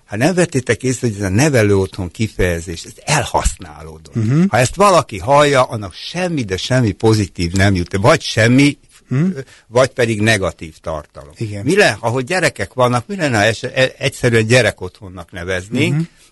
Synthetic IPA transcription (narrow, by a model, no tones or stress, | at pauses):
hat̪nɛɱvɛt̪ːeːt̪ɛkeːst̪ho̞ɟɛzɒnɛvɛløːo̞t̪ho̞ŋkifɛjɛzeːʃt̪ɛzɛlhɒ̰sna̰ːloːd̪ot̪hɒɛst̪ʋɒlɒkiɦɒjːɒʔɒnːɒkʃɛmːid̪ɛʃɛmːipo̞zit̪iːvnɛmjut̪vɒɟʃɛmːi | vɒɟpɛd̪iɡnɛɡɒt̪iːft̪ɒ̰rt̪ɒ̰lo̞̰miɡɛnmilɛɒɦoɟɛɾɛkɛkʋɒnːɒkmilɛnːɛɛʃɛɛcsɛɾyɛɲɟɛɾɛko̞t̪ho̞nːɒknɛvɛzneːŋk